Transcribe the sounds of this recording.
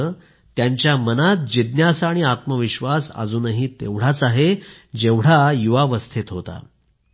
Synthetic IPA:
ə | t̪jaɲt͡ɕjamənat̪̚d͡ʑid̪njasaɽ̃iat̪məʋiɕʋasə̰d͡zuːnəɦiːt̪ḛʋɽ̤at͡saɦed͡ʑeʋɽ̤ajuʋaʋəst̪ʰit̪ɦot̪a̰

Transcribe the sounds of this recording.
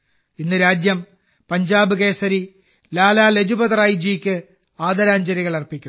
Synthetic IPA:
inːɨɾaːd͡ʑjɐm | pɐɲd͡ʑaːbɨɣe̞ːsɐɾi | laːlaːled͡ʑubɐðɐraːjid͡ʑiːkʲːɨ | aːd̪ɐɾaːɲd͡ʑɐɾiɣɐɭɐrpːikʲːu

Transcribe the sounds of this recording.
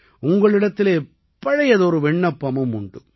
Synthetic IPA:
ʊŋɡɐɭɪɽɐt̪ːɪleː | pːɐɻɐjɐðɯɔɾɯʋɛɳːɐpːɐmɯmʊɳɖɯ

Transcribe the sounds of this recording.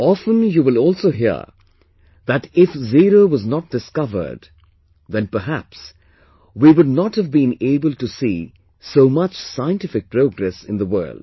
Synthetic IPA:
ɑfə̃njuːwɪlɔːlˠsoʊɦḭə̰ | ðætɪfziɾowʌznɔt̚d̥ɨskʌvə̰˞d | ðɛ̃npə˞ɦæ̰ps | wiwʊdnɔthəvbĩneɪbəlˠtusi | somʌt͡ʃsaɪə̃ntɪfɪk̚pɾoʊɡɾɛsɪ̃nðəwɜ̰ː˞ld̥

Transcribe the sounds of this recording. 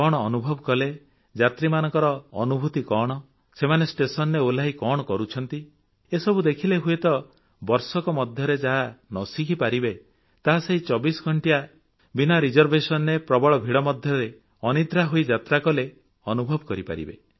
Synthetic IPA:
kɔɽ̃ɔːnubʱɔbɔkɔle | d͡ʒat̪ɾimanɔŋkɔɾɔːnubʱut̪ikɔɽ̃ɔ | semanesʈesɔnɾeolaɦikɔɽ̃ɔkɔɾut͡ʃʰɔnt̪i | esɔbud̪ekʰileɦuet̪ɔ | bɔɾsɔkɔmɔd̪ʱjɔɾed͡ʒaɦanɔsikʰipaɾibe | t̪aɦaseit͡ʃɔbisɡʱɔɳʈia | binaɾid͡ʒɔɾbʱesɔnɾepɾɔbɔɭɔbʱiɽɔmɔd̪ʱjɔɾe | ɔnid̪ɾaɦoid͡ʒat̪ɾakɔle | ɔnubʱɔbɔkɔɾipa̰ɾḭbe

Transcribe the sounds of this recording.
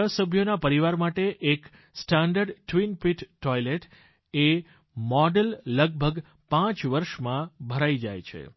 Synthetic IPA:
əsəbʱjonapəɾiʋaɾmaʈeʔek | sʈãɳɖəɾɖʈʋinpiʈːɔjleʈ | e | mɔɖəlːəɡ̚bʱəɡ | pãt͡ʃʋəɾʃmãbʱəɾaid͡ʒa̰jt͡ʃʰḛ

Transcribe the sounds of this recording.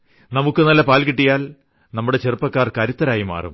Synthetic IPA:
nɐmukːɨnɐlːɐpaːlkiʈːijaːl | nɐmːuɽe̞t͡ɕerɨpːɐkːaːrkɐɾut̪ːɐɾaːjima̰ːrṵm

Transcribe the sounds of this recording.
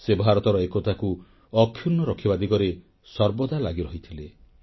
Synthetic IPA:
sebʱaɾɔt̪ɔɾɔekot̪ʰaku | ɔkʰjunːɔɾɔkʰibad̪iɡɔɾe | sɔɾbɔd̪alaɡiɾɔɦit̪ʰile

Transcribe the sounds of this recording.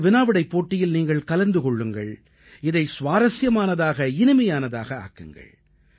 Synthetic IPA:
ʋɪnaːʋɪɽɐɪpːoːʈːɪjɪlniːŋɡɐɭkɐlɐɾnd̪ɯkɔɭːɯŋɡɐ̰ɭ | ɪðɐɪsʋaːɾɐsjɐmaːnɐðaːɣɐɪnɯmɐjaːnɐða̰ːɣɐa̰ːkːɯ̰ŋɡɐ̰ɭ

